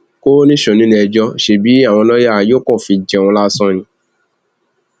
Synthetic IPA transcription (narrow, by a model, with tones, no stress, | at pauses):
ko˦nĩ˦ʃɔ̃˨nĩ˦li˧ɛ˧d͡ʒɔ˧ʃe˦bi˨˦a˦˨w̃ɔ̃˧lɔ˦ja˦˨jo˦kɔ̃˦˨fĩ˧d͡ʒɛ˨w̃ɔ̃˧la˦sɔ̃˦nĩ˧